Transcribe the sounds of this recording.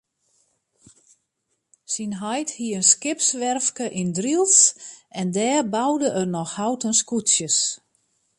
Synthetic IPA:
sinɦɔjthiəənskɪpsʋɛrfkəʔindrilˠsɛndɛːrbawdəʔərnɔxhawtənskutsjəs

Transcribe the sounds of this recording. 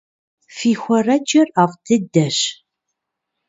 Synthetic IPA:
fiːxʷɐrɐd͡ʒɐraːvtʰɨdɐɕ

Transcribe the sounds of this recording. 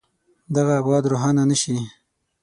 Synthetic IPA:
d̪aɣaːbɣɑd̪ɾoɦɑnanəʃi

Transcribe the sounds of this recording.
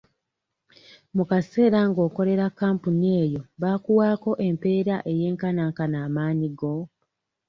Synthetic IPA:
mukase̞ːɾaŋɡo̞ːko̞le̞ɾakːaːmpunie̞ːjo̞βaːkuwaːko̞ʔe̞mpe̞ːɾaʔe̞je̞ːŋkanaŋkanaːmaːɲiɡo̞

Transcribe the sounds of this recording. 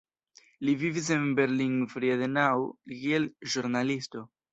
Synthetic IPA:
livivis̬e̞nbe̞ɾliŋfɾiad̪enawkielʒuɾnalisto̞

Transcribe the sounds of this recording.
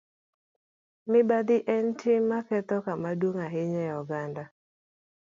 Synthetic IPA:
mɪbad̪ɪʔɛntʰɪmmːakɛt̪ɔkamadwoŋaɦɪɲɛjɔɡanda

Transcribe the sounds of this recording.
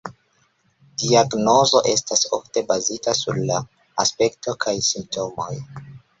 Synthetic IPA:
d̥iaɡno̞zo̞ʔe̞staso̞̰fte̞bazitasṵɾlaː | spe̞k̚to̞kʰajsimp̚tʰo̞mo̞̰j

